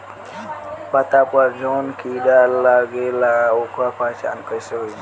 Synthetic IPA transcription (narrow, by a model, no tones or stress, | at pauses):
bat̪apad͡ʒonkidalaɡelaokapat͡ʃa̰nkəjseɦo